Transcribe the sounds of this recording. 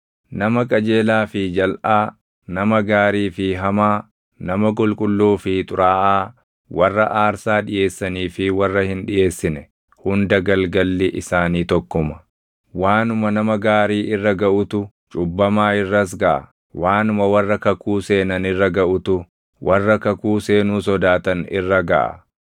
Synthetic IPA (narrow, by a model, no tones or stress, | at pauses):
nɐmɐkʼɐd͡ʒe̞ːlaːfɪd͡ʒɐlʔaː | nɐmɐɡaːɾiːfɪɦɐmaː | nɐmɐk̬ʼʊlkʼʊlːuːfɪt̪ʼʊɾaːʔaː | wɐrːɐʔaːɾsaːᶑɪje̞ːsːɐniːfɪwɐrːɐhɪnᶑɪʔe̞ːsːɪnɛ | hʊnd̪ɐɡɐlɡɐlːɪʔɪsaːniːt̪ɔkːʊmɐ̥ | waːnʊmɐnɐmɐɡaːɾiːʔɪrːɐɡɐʔʊt̪ʊ | t͡ʃʼʊbːɐmaːɪrːɐs̬ɡɐʔɐ̰ | waːnʊmɐwɐrːɐkɐkuːseːnɐnɪrːɐɡɐʔʊt̪ʊ | wʔɐrːɐkɐkuːseːnuːsɔd̪aːt̪ɐnɪ̰rːɐɡɐ̰ʔɐ̰